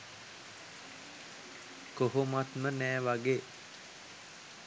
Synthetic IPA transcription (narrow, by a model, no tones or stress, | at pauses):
koɦomat̪mənɛːʋaɡeː